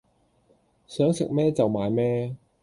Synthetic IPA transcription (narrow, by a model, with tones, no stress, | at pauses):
sœː˨˥ŋsɪ˨k̚mɛː˥t͡sɐ˨wmaː˨˧jmɛː˥